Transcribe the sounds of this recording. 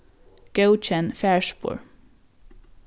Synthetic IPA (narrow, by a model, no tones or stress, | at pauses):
ɡ̥əʊt͡ʃənfæːɹʃpʊ̰ːɹ